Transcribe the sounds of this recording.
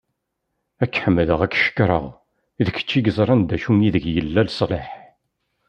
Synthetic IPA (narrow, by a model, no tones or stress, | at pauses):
ækːħəmːəðəʁækːʃə̥kːɾˤə̰ʁ | iðəçə̥t͡ʃːiɡəzˤɾˤɑnd̪æʃumiðəɡjəlːælsˤleħ